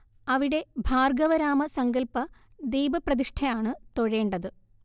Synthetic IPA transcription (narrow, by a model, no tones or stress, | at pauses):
ɐʋiɽe̞bʱaːrɡɐʋɐɾaːmɐsɐŋɡɐlpɐ | d̪iːbɐprɐðiʂʈʰɐjaːɳɨt̪o̞ɻe̞ːɳɖɐðɨ